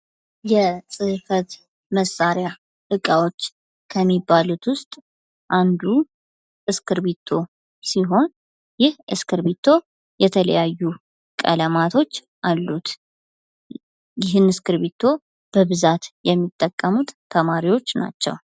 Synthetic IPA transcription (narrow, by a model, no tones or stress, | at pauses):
jɛsʼɨhfət̪ | məsːaɾja | ʔɨkʼawo̞t͡ʃː | kʰəmːibːalut̪wʊst̪ʼ | ʔand̪u | ʔɨskɨɾβit̪ʰːo̞ | siɦo̞n | jɪhʔɨ̰skɨɾβit̪ʰːo̞ | jɛt̪ʰələ̰jajːu | kʼə̰ləmat̪ʰo̞t͡ʃː | ʔalːut̪ | jɪɦɨnɨskɨɾβit̪ʰːo̞ | b̥əβɨzat̪jɛmːit̪ʼːəkʼːəmut̪ːʰəmaɾiwo̞t͡ʃːna̰t͡ʃːɛ̰w